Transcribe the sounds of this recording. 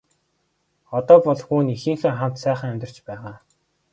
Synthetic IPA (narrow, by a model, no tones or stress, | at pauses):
ɔt̪ɔːpɔɮxuːnixĭŋxĕːχam̥t̪sæːχə̆ŋæmʲt̪ʲɪ̆r̥t͡ɕpæːʁaː